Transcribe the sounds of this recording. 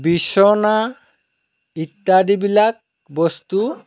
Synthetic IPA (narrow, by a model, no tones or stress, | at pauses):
biʃona | iʈːaɖibilak̚ | bost̪u